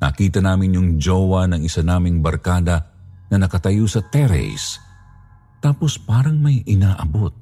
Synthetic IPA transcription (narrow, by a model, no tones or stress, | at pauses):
nɐ̰kiːt̪ɐnaːmɪnjʊŋd͡ʒoːwɐnɐŋɪsanaːmɪŋbɐɾkaːd̪ɐnɐnɐkɐt̪ɐjosɐt̪ɛɾɛ̰s | t̪aːpo̞spaːɾɐŋmɐjʔɪnaːʔɐbot̪̚